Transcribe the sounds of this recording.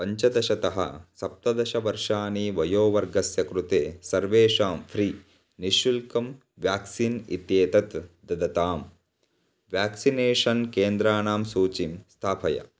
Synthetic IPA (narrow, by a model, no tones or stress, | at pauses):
pɐɲt͡ʃɐd̪ɐʃɐt̪ɐɦɐ̰sɐp̚t̪ɐd̪ɐʃɐʋɐɾʂaːniːʋɐjoːʋɐɾɡɐsjɐkɾut̪eːsɐɾʋeːʂaːmfʰɾiː | niʃulkɐm | ʋjaːksiːnḭt̪jeːt̪ɐt̪d̪ɐd̪ɐt̪aːm | ʋjaːksineːʂɐnkeːnd̪ɾaːnaːmsuːt͡ʃimst̪ʰaːpʰɐjɐ̰